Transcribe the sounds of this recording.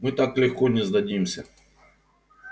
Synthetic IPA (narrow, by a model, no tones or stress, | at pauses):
mɨt̪aklʲɪxkonʲɪzd̪ɐdʲimsʲə